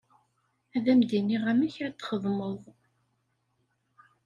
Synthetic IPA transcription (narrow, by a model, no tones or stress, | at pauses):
æðæmd̪iniʁæmæçɾæt̪ːχəðˤmoðˤ